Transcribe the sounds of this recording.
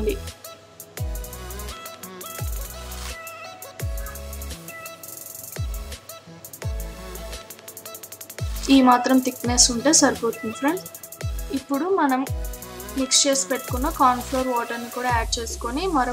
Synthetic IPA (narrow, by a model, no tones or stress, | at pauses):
ɳɖi | iːmaːt̪ɾɐmt̪ikːneːsuɳʈe̞ːsɐɾpoːt̪infɾeɳ | ipːuɽumɐnɐm | mikst͡ʃeːspe̞ʈːu̥kunːɐkaːnfloːɾʋɔːʈɐɾnikuːɽaːɛːɖ̚t͡ʃe̞ːsu̥ko̞nimɐɾ